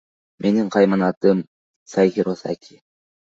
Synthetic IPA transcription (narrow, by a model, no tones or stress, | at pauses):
mʔe̞niɴqʰɑjmɑnɑt̪ɯm | sɑjxiɾosa̰kʲʰi